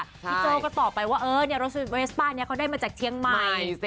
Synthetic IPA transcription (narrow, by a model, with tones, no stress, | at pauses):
iː˧˥t͡ɕoː˧kɔː˥˩t̪ɔː˨˩pa˧jwaː˥˩ʔɤː˧˩ni˥˩ɐɾa˧ws̚wʔe˦˥spaː˥˩ni˦˥ɐkʰa˦˥wdaː˥˩jmaː˧t͡ɕaː˨˩k̚t̪ʰi˧˦əŋma˨˧˩